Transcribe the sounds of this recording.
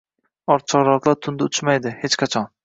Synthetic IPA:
ɒɾt̪̚t͡ʃʰɒʁɾɒq̪lˠaɾt̪ʰʊnd̪aʊt̪ʰʊmajd̪ɪhet͡ʃqʰɑt͡ʃʰɒn

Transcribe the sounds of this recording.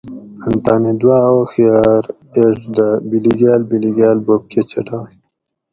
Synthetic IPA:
ɐnt̪aːnid̪waːoxijaːɾ | eʈd̪əbiliɡaːlbiliɡaːlbob̚kʰet͡ɕʰɐʈʰa

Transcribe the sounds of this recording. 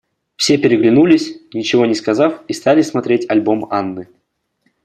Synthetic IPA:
fsʲe̞pʲɪɾʲɪɡlʲɪnulʲɪsʲnʲɪt͡ɕɪvo̞nʲɪskɐzafist̪alʲɪsmɐt̪ɾʲetʲɐlʲbo̞manːɨ

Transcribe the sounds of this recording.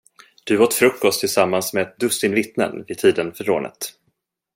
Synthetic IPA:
d̪̥ɵoːt̪fɾɵkːɔst̪ʰːɪlsamːansmet̪̚d̪ɵst̪ɪnvɪt̪nə̰nvɪt̪ʰiːd̪ənfœɾo̰ːnʔə̰t̪

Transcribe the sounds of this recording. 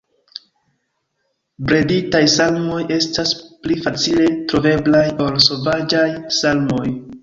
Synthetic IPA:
bɾe̞ditajsalmo̞je̞stasplifat͡sile̞tɾo̞ve̞blajo̞lso̞vad͡ʒajsalmo̞j

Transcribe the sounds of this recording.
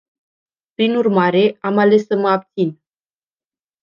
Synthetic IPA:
pɾinurmaɾe̞amale̞sːəməap̚t̪sin

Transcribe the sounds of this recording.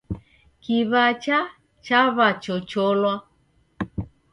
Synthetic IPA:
kiβat͡ʃa | t͡ʃaβat͡ʃɔt͡ʃɔlwa

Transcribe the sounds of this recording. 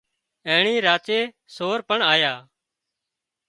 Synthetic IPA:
ẽːɳĩːɾaːt͡ʃeː | soːɾpəɳaːjaː

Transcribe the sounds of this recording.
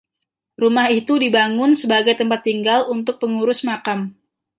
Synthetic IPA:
rumahit̪udibaŋʊnsəbaɡajt̪əmpat̪ːiŋɡalunt̪ʊk̚pəŋuɾʊsmakam

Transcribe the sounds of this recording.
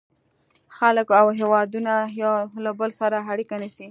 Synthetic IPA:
xaləkawɦewɑd̪unajlabəlsaɾaaɽikanisi

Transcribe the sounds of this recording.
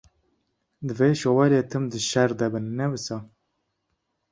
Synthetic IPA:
d̪ɨveːʃowɛleːt̪ʰɨmd̪ɨʃɛɾd̪ɛbɨnːɛwɨsɑ

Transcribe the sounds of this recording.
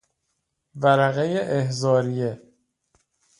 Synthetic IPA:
væɾæɣejeʔehzɒːɾije

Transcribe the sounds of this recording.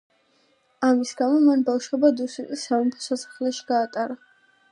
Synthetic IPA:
amisɡamɔmanbafʃwɛbad̪usit̪ʼisːamɔmpʰɔ̥sasḁχlɛʃi̥ɡ̥aːt̪ʼaɾa

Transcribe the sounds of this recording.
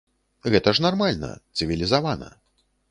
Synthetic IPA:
ɣɛt̪ɐʂnarmalʲnɐ̰t̪sɨvʲilʲizavanɐ̰

